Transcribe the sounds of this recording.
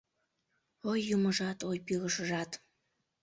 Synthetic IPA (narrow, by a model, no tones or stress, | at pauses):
ojːuməʒɑt̪ojpyɣəʃəʒɑt̪